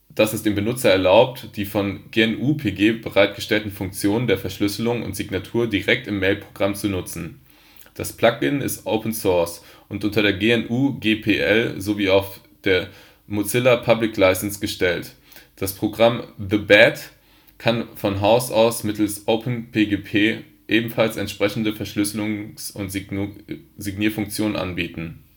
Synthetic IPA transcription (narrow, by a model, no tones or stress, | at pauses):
d̥asɪstd̥eːmbənʊt͡sɐɛɐlaʊp̚td̥iːfɔnɡ̥eɛnʔuːpʰeɡeːbəʁaɪt̚ɡ̥əʃtɛltn̩fʊŋk̚t͡sjoːnəndeːɐfɛɐʃlʏsəlʊŋʊ̰ntz̥iɡnatʰuːɐdiʁɛk̚tɪmːɛɪlpʁ̥oɡʁamt͡sunʊt͡sn̩ | d̥aspl̥akɪnɪ̰stʔoʊpn̩sɔɐs | ʔʊntʔʊntɐɾeːɐɡeːɛnʔuːɡeːpʰeʔɛ̰lzoviːaʊf | d̥eːɐ | mot͡sɪlɐpʰablɪklaɪsnsɡ̥əʃtɛlt | d̥aspʁ̥oɡʁamðəbɛt | kʰanfɔnɦaʊsa̰ʊsmɪtl̩sʔoʊpn̩pʰeːɡeːpʰeː | ʔeːbm̩falsɛntʃpʁ̥ɛçn̩dəfɛɐʃlʏsəlʊŋsʊnt | zɪɡniːɐfʊŋk̚t͡sjoːnənʔa̰nbiːtn̩